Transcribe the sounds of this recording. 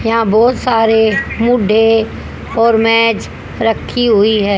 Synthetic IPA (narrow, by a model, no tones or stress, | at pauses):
jɐɦãbɔːt̪saːɾemʊɖʱe | ɔːɾmɛːd͡ʒ | ɾɐkʰːiɦʊiɦɛ̃ː